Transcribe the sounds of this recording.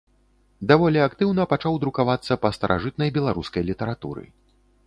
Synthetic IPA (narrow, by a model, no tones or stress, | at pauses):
d̪avɔlʲiakt̪ɨwnɐpat͡ʂawd̪ɾukavat̪sːɐpɐst̪ɐɾʔa̰ʐɨt̪nɐjbʲɛlˠaɾuskɐjlʲit̪ɐɾat̪ṵɾɨ̰